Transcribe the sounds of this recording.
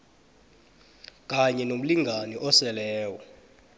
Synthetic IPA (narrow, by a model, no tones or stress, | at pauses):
k̬ʼaɲɛnom̩liŋɡʱanɛʔɔsɛlɛːwɔ